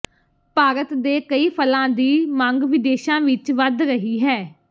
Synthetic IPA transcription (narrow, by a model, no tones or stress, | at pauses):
paːɾət̪d̪eːkəiːpʰəlãːd̪iːmãŋɡʋɪd̪eːʃãːʋɪt͡ʃʋəd̪ɾəɦiːɦɛː